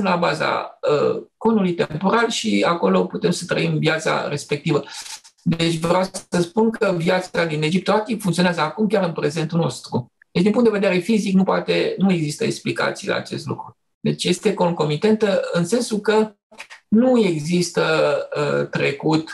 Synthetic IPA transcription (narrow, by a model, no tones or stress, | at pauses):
unlabaza̰ə̰ko̞nulujt̪e̞mpo̞ɾalʃiako̞lo̞put̪e̞msət̪ɾə̰imvjat̪sa̰ɾe̞spe̞k̚t̪ivəd̪e̞t͡ʃʲvɾawsəspunkəvjat̪sad̪ine̞d͡ʒip̚t̪oat̪ipfuŋkt̪sionazəakumkʲaɾɨnpɾe̞ze̞nt̪uno̞st̪ɾu | d̪et͡ʃd̪inmpuŋt̪d̪eved̪eɾe̞fiziknupoat̪e̞nue̞ɡzist̪əeksplika̰t̪sijla̰ːt͡ʃe̞̰st̪lṵkɾu | d̪e̞t͡ʃje̞st̪e̞ko̞ŋko̞mit̪e̞nt̪əɨnse̞nsulkə | nue̞ɡzist̪əət̪ɾe̞kut̪